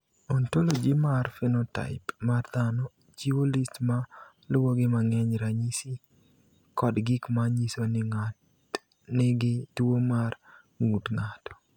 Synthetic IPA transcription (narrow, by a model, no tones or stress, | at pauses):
ɔntolod͡ʒimarfɪnɔta̰ɪpmard̪anɔ | d͡ʒiwolistma | lʊwoɡɪmaŋɛɲɾaɲisi | kɔdɡɪkmaɲisonɪŋa | neɡɪtwomar | ŋutŋatɔ̥